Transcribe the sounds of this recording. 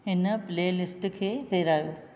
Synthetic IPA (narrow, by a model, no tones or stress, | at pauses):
ɦɪnpleːlɪsʈkʰeːfeːɾaːjoː